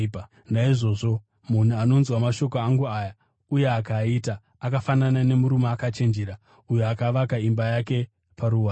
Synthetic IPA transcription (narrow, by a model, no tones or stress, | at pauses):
naiʐo̞ʐo̞ | mun̤uano̞nzwamaʃo̞koaŋɡuaja | uje̞akaitaː | kafananane̞muɾumaːkat͡ʃe̞nd͡ʒeɾa | ujoakaʋakaimbajake̞ | paɾuwaː